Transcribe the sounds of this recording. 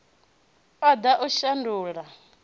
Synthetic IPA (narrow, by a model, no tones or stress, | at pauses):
ad̪aʔuʃanduːla